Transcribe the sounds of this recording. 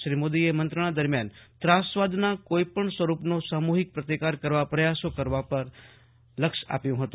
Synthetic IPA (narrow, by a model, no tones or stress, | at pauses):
ʃɾimod̪iemənt̪ɾəɽ̃ad̪əɾmjant̪ɾasʋad̪nakoipəɳsʋəɾupnosamuɦɪk̚pɾət̪ikaɾkəɾʋapɾəjasokəɾʋapəɾ | ləkʃa̰pjũɦət̪ũ